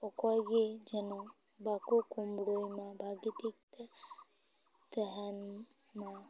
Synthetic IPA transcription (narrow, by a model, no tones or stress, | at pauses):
ɔkɔjɡed͡ʒɛno | bakokumɽojmãbʱaɡit̪ik̚t̪ | t̪əɦan | ma